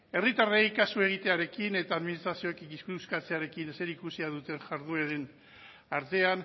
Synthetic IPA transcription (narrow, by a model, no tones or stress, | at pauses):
e̞rit̪arejkasue̞ɣ̞it̪e̞aɾe̞kine̞t̪aːðminist̪ɾasio̞kikiskuuskat͡se̞aɾe̞kinse̞ɾikusiaðut̪e̞nʝaɾðueɾen | aɾt̪e̞an